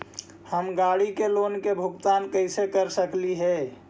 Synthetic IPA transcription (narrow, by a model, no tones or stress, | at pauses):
həmɡaɽikeloːnkebʱʊɡt̪aːnkəɪsekəɾsəkliɦɛ